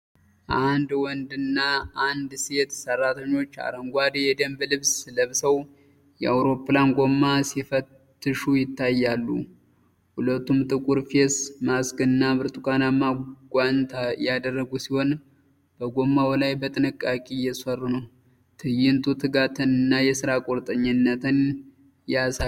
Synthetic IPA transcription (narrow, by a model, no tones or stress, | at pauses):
ʔand̪wɔnd̪ɨnːaʔand̪se̞t̪sərːat̪ʰəɲːo̞t͡ʃːa̰ɾəŋɡʷad̪jɛd̪əmblɨβsləβsəw | jɛawɾo̞planɡo̞mːasifət̪ːɨʃujɪt̪ːajːalːṵ | hulət̪ːumt̪ʼɨkʼuɾfesmaskɨnːaβɨɾt̪ʼukʼanamaɡʷant̪ʰajad̪ərːəɡusiho̞n | b̥əɡo̞mːawlajbət̪ʼɨnɨkʼːakʼijɛsərːunəw | t̪ʰɨjːɪnt̪ʰut̪ʰɨɡat̪ʰɨnɨnːajɛsɨɾakʼoɾt̪ʼəɲːɪnːət̪ʰɨn | jasa